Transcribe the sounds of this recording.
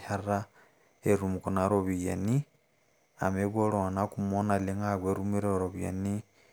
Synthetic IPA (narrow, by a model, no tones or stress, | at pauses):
ara | eɾumukonaɾoβija̰ni | a̰meβoɺoanakumonaleŋaɣweɾumiɾeoɾoβja̰ni